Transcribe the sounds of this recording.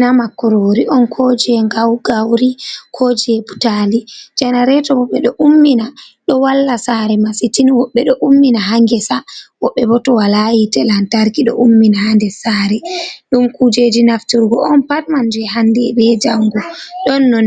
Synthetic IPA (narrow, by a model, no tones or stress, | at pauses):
namakːɔɾoɾiʔɔnkʰod͡ʒiɛŋɡawɡawɾikʰod͡ʒiɛbutalid͡ʒɛnaɾɛtɔwɔɓɛɗɔʔumːinaɗɔwalːasaɾɛmasitiniwɔɓːɛɗɔʔumːinaɦaŋɡɛsawɔɓːɛbɔtɔwalajitɛlantaɾkiɗɔ̰ʔumːinahandɛsaɾɛɗumkud͡ʒed͡ʒinaftuɾɡɔɔnpatmand͡ʒuɛɦandɛbɛd͡ʒaŋɡuɗɔnːɔn